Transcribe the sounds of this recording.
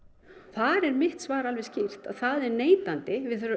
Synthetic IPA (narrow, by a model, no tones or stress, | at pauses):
θaɾɛɾmɪht̪svaːɾalvɛscir̥t̪a̰ðθaðɛɾneːjt̪ant̪ɪvɪðθœɾʏ